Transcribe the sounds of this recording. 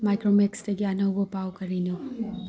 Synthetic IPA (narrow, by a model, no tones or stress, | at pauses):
majkɾomeksdɐɡiɐnɐwbɐpawkɐɾinu